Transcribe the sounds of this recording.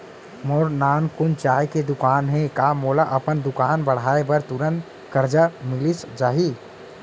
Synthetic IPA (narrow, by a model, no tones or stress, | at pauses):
mɔɾnaːnkʊnt͡ʃaːjked̪ʊkaːnɦɛ̃kamoːlaʔɐpənd̪ʊkaːnbəɽ̤aːebəɾt̪ʊɾən | kəɾd͡ʒamɪlisd͡ʒaːɦi